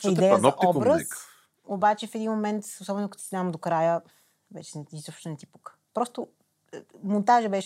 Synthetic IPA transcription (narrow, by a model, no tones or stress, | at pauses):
id̪ɛjəzʔɔbɾəs | obat͡ʃɛfɛd̪inmomɛnt̪osɔbɛnʊkət̪usinavɐmd̪okɾajə | vɛt͡ʃɛnɛizɔpʃt̪onɛt̪ipə̥k | pɾɔst̪o | mont̪aʒəbɛʃ